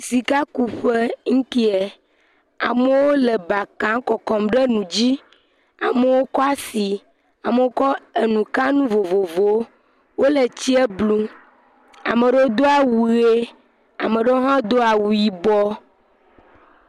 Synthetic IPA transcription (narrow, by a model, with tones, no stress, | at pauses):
si˨ka˦ku˨ɸe˦ŋ̩˦t̪i˦e˨ | a̰˨me˦wo˦le˨ba˨kã˦ŋ˦kɔ˨kɔ˨mɖe˦nũ˨d͡ʑi˦ | a˨me˦wo˦kɔ˦a˦si˨ | a˨me˦wo˦kɔ˦e˨nũ˨ka˦nũ˦vo˨vo˨vo˨˦ | wo˦le˨t͡ɕi˦e˦blu˦ | a̰˨me˨ɖe˦wo˦d̪o˦a˨wu˨ɣe˦ | a̰˨mẽ˨ɖe˦wo˦ɦã˦d̪o˦a˨wu˨ji˨bɔ˦